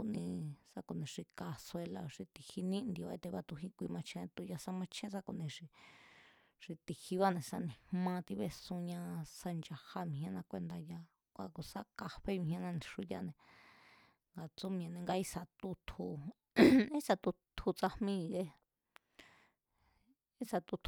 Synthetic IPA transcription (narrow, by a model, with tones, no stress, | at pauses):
ku˧ʔnĩ˧sa˧ku˨nĩ˧ʂi˧ka˧se˧la̰˧ʂi˧t̪i˨hi˧nĩ˦nd̪i˧˨o˨ḛ˧t̪e˧βa˧t̪u˧ɦĩ˧˦kʷi˧mã˧t͡ʃʰẽ˧t̪u˧ja˧sa˦mã˧t͡ʃʰẽ˦s̬a˧ku˨nĩ˧ʂi˧ | ʂi˧t̪i˧hi˧βa˦nẽ˨sa˧nĩ˧hmã˧t̪i˧βe˧sũ˧ɲã˧sa˧nd͡ʒa˧ha˧mĩ˨ɦã˧nã˧kʷe˧nd̪a˧ja˧ | kʷa˧ku˧sa˦ka˧ɸe˦mĩ˧hã˧nã˧nĩ˧ʂu˧ja̰˧nẽ˨ | ŋɡa˨t͡su˦mĩ˧˨nẽ˧ŋɡa˧i˧sa˧t̪u˧t̪ʰu˧ | i˦sa˧t̪u˧t̪ʰu˧t͡sa˧hmĩ˧ɣe˧ | i˦sa˧t̪u˧t̪ʰ